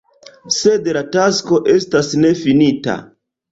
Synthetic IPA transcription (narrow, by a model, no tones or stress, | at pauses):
se̞dlatasko̞ʔe̞stasne̞finita̰